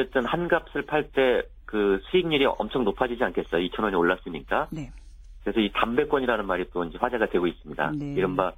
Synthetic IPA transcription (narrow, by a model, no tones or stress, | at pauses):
e̞t͈ɯnhanɡap̚s͈ɯɭpʰaɭt͈e̞ | kɯsʰuiŋɲiɾiʌmt͡ɕʰʌŋnopʰad͡ʑid͡ʑiankʰe̞s͈ʌjoit͡ɕʰʌnwʌɲioɭːas͈ɯɲik͈a | kkɯɾe̞sʰʌitambe̞k͈wʌɲiɾanɯnmaɾit͈oind͡ʑe̞ɸwad͡ʑeɡadwe̞ɡois͈ɯmɲida̰iɾʌnba